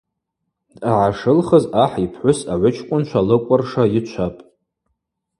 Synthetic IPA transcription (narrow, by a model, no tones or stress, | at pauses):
daʕaʂɨlχəzaħipʰħʷʊsaʕʷʊt͡ʃʰkʷʼʊnt͡ʃʷʰalɨkʷʼʊrʂait͡ʃʷʰapʼ